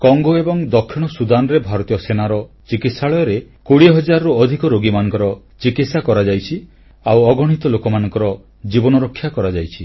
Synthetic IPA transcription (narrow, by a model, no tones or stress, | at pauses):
kɔŋɡoebɔŋd̪ɔkʰːiɽ̃ɔsud̪anɔɾebʱaɾɔt̪ijɔsenaɾɔ | t͡ʃikit̪saɭɔjɔɾekoɽiɦɔd͡ʒaɾɔɾuɔd̪ʱikɔɾoɡimanɔŋkɔɾɔ | t͡ʃikit̪sakɔɾad͡ʒajt͡ʃʰi | awɔɡɔɽ̤̃it̪ɔlokɔmanɔŋkɔɾɔ | d͡ʒibɔnɔɾɔkʰːjakɔɾad͡ʒajt͡ʃʰi